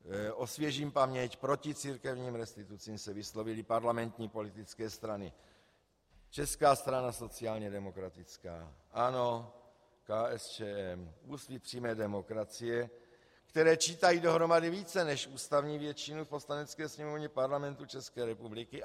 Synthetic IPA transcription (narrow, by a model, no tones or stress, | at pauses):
ʔo̞svjɛʒiːmpamɲɛcpɾo̞cɪt͡siːɾkɛvɲiːmɾɛst̪ɪt̪ut͡siːmsɛvɪslo̞vɪlɪpaɾlamɛnt̪ɲiːpo̞lɪt̪ɪt͡skɛːst̪ɾanɪ | t͡ʃɛskaːst̪ɾanaso̞t͡sɪaːlɲɛdɛmo̞kɾat̪ɪt͡ska̰ːʔano̞ | kaːɛst͡ʃɛːɛmusvipr̥iːmɛːdɛmo̞kɾat͡sɪjɛ | kt̪ɛɾɛːt͡ʃiːt̪ajiːdo̞ɦɾo̞madɪviːt͡sɛnɛʃʔuːst̪avɲiːvjɛt͡ʃinufpo̞slanɛt͡skɛːsɲɛmovɲɛpaɾlamɛnt̪ut͡ʃɛskɛːɾɛpublɪkɪ